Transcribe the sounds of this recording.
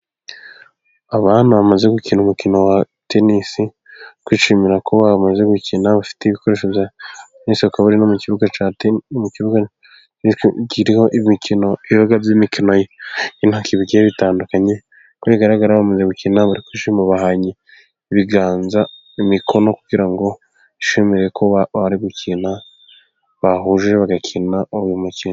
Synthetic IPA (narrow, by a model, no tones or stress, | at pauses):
aβaːn̥huβamaze̞ɡucinumukino̞wa | tenisi | kwiːʃimiɾakʰoβamaze̞ɡucinaβafi̥teiβikʰoɾe̞ːʃovjatenisiakaβuɾinomuciβuɡat͡ʃatmuciβuɡa | ciɾihoʔimikino̞iβaɡabzimikino̞jeinhakiβiɡejeβitaːndukaɲe̞ | kojiɡaɾaɡaɾaβamuzeɡucinaβaɾikiʃimuβahaɲi | iβiɡaːnza | imikʰo̞nokuɡiɾaŋɡo̞ | iʃemiɾejekʰoββaβaɾiɡucina | βaɦuʒʒeβaɡacʰinaoujumucina